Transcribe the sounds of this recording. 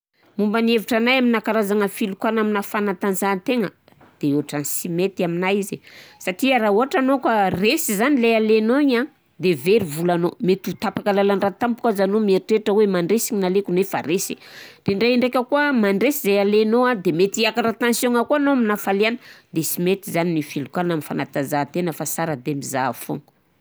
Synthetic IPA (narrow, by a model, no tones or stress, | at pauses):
mumbanieviʈ͡ʂanajaminakaɾazaŋəfilukwanaminafanat̪anzant̪eŋə̰ | d̪̥euaʈ͡ʂanisimet̪aminajizesaʈ͡ʂiaɾauɦaʈ͡ʂanokaresizanilealenoɲa | d̪eveɾivulanomet̪ut̪apakalalanrat̪ampukazanomieɾiʈ͡ʂeʈ͡ʂəwemaɳɖ͡ʐesiɲinalekunefa̰ɾesir̥eɳɖ͡ʐeɳɖ͡ʐekʲəkuəmaɳɖ͡ʐesizealenoad̪emet̪iakaɾat̪ãnsjoŋakuanoaminafalianəd̪esimet̪izaninifilukalnamifanat̪azat̪enəfasaɾəd̪emizafo̰ŋu̥